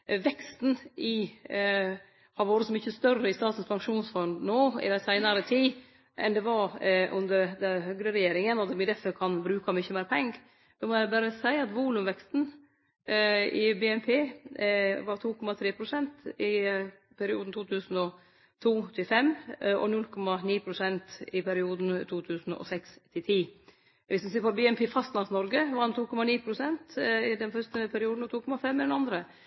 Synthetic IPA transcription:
ʋɛkst̪n̩ʔɪ | hɑɾʋoːɾəsɔmʏçːəst̪œrəɪst̪ɑːt̪n̩spʰɑŋkʂuːnsfɔnd̪noːɪ̰d̪æsæɪnɑɾət̪ʰiː | ʔɛ̰nd̪ɛʋɑɾʔʉnd̪əɾd̪ɛhøɡɾəɾɛjeːɾɪŋənɔt̪mɪd̪ɛfəɾkʰɑnbɾʉːkɑmʏçːəmeːɾpʰɛŋɡ | d̪̥ɛmɔjæbæːɾəsæɪɑt̪ʋuːlʉmʋɛkst̪n̩ | ɪbeːɛnpʰeː | ʋɑɾt̪ʰuːkʰɔmɑt̪ʰɾeːpʰɾʊsɛnt̪ɪ | pʰæɾɪṵːd̪n̩t̪ʰuːt̪ʰʉːsn̩ɔ | t̪ʰuːt̪ʰɪlfɛmːʔɔ̰nʉlːkʰɔmɑniːpʰɾʊsɛnt̪ɪpʰæɾɪuːd̪n̩t̪ʰuːt̪ʰʉːsn̩ɔ̰sɛkst̪ʰɪlt̪ʰiː | ʋɪsmɪseːɾpɔbeɛmpʰeːfɑst̪lɑnsnɔɾɡəʋɑɾɑnt̪ʰuːkʰɔmɑniːpʰɾʊsɛnt̪ɪd̪ɛnfœst̪əpʰæɾɪuːd̪n̩ɔt̪ʰuːkʰɔmɑfɛmːɪd̪ɛnɑnd̪ɾə

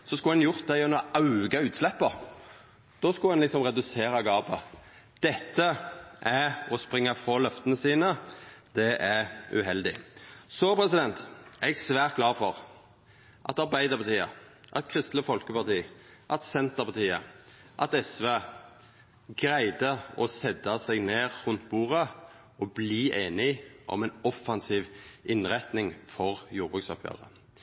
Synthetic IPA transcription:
sɔskʊlɛnjʊʁt̪̚d̪æjœnəɔɑʉɡɑʉːt̪slɛpːə | d̪̥oːskʊhɛnɪksɔmʁɛd̪ʉseːɾɑɡɑːbə | d̪̥ɛt̪ːəʔæɔspʁɪŋːɑfʁɑlœft̪ənəsiːnəd̪̥ɛʔæɾʉ̰ɦɛld̪ɪ̰soːpʰɾɛsɪd̪ɛnt̪ɛɡsʋæːʁt̪̚ɡlɑːfɔʁ | ʔɑt̪ɑʁbæɪd̪əʁpʰɑt̪iːə̰ʔɑt̪̚kʰʁɪst̪ləfɔlkəpɑʁt̪iːʔɑt̪sɛnt̪əpɑt̪ʰiːə | ʔɑt̪ɛsʋeː | ɡɾæɪd̪əɔsɛd̪ɑsæɡneːʁʁʉnt̪buːʁə | ɔbliːʔeːnɪʔɔ̰mɛɪnɔfɑnsiːʋʔɪnʁæt̪nɪŋfɔʁjuːʁbʁʉksɔpʰjø̰ːʁə̰

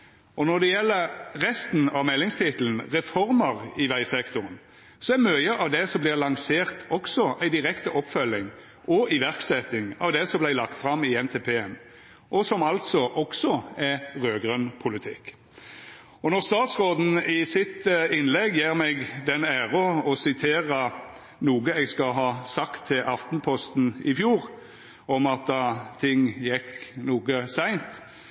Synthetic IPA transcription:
ɔnɔʁd̪ɛjɛlːəʁʁɛst̪n̩ɑʋmɛlːɪŋst̪ʰɪt̪ln̩ʁɛfɔɾməʁɪʋæɪsɛkt̪ʊʁən | sɔɛɾmœʏəʔɑʋd̪ɛsɔmblɪʁlɑŋseːʁt̪ʰɔksɔʔæɪd̪ɪʁɛkt̪əʔɔpfœlɪŋ | ʔɔɪʋæʁksɛt̪ːɪŋɑ̰ʋd̪ɛsɔmblɪlɑkt̪fɾɑmɪɛnt̪ʰeːpʰeːɛm | ʔɔsɔmɑlt̪sɔʔɔksɔɛʁøːɡʁœnpʰʊlɪt̪ʰɪ̰kː | ɔnɔʁst̪ɑːt̪sʁoːd̪n̩ɪsɪt̪ɪnlɛɡjiːʁmɛɡd̪ɛnæːʁəɔsɪt̪ʰeːʁə | nuːɡəɛɡskɑɦɑːsɑkt̪ʰːɪlʔɑft̪n̩pʰɔst̪n̩ɪfjuːʁ | ɔmɑt̪̚d̪ɑːt̪ʰɪŋːjɛkːnuːɡəsæɪnt̪

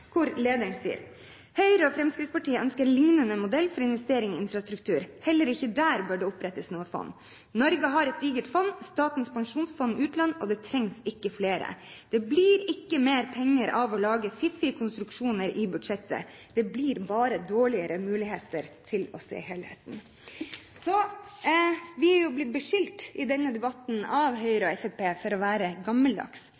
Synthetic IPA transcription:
kʰʊɾleːd̪əɳsḭːə̰ɾ | hœʏɾəɔfɾɛmskɾɪftspɑʈiːəœnskəɾlɪŋnənəmʊd̪ɛlːfɔɾɪnʋɛst̪eːɾɪŋɔɪnfɾɑst̪ɾʉkt̪ʰʉːɾhɛlːəɾɪçəd̪æːɾbøːɖɛːʊpɾɛt̪ːəsnuːəfɔ̰nː | nɔɾɡəɦɑɾɛt̪̚d̪iːɡəʈfɔnːst̪ɑːt̪n̩spɑŋʂuːnsfɔnːʉːt̪lɑnɔd̪ɛt̪ʰɾɛŋsɪkːəfleːɾə̰d̪̥ɛbliːɾɪkːəmeːɾpʰɛŋːəɾʔɑʋɔlɑːɡəfɪfɪkʰʊnst̪ɾʉkʂuːnəɾɪbʉd̪ʂɛt̪ːə̰ | d̪̥ɛbliːɾbɑːɾəd̪oːɭɪəɾəmʉːlɪheːt̪əɾt̪ʰɪlɔsḛːheːlhɛ̰t̪n̩ | sɔ | ʋɪhɑɾjʊblɪt̪̚bəʂɪlt̪ɪd̪ɛnːəd̪ɛbɑt̪n̩ɑʋɦœʏɾɔɛfɛpʰeːfɔɾɔʋæːɾəɡɑmːəld̪ɑ̰ks

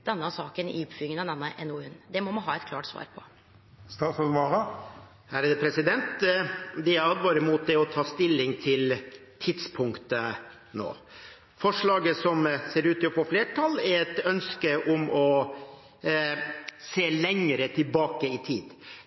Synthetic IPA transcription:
d̪̥ɛnːəɑsɑːkənɪ̰ʊpfyːɪŋənɑd̪ɛnːəʔɛnuːʉnːd̪ɛmɔmɑnɦɑːɛt̪kʰlɑ̰ːʈsʋɑ̰ːɾpʰɔ | st̪ɑfɔnʋɑːʁə | hæɾɑd̪ɛpʰɾɛsɪd̪ɛnt̪d̪ɛɑd̪ʋɑːɾəmuːt̪̚d̪ɛɔt̪ʰɑːst̪ɪlːɪŋt̪ʰɪlt̪ʰɪd̪spʰʊŋkt̪ə | no̰ː | fɔʂɭɑːɡəsɔmseːɾʉːt̪ɪɔfoːfleːʈʰɑlːɛɾɛt̪œnskəʔʊmɔ | seːlɛŋəɾət̪ʰɪlbɑːkəɪt̪ʰiːd̪

